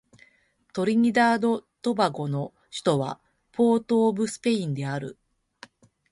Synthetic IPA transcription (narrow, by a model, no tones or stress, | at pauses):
t̪o̞ɾʲiɲ̟id̪aːd̪o̞t̪o̞baɡo̞no̞ | ɕi̥t̪o̞βa̰ | pʰo̞ːt̪o̞ːbɯ̟sɨ̥pe̞ĩnd̪e̞aɾɯ̟̰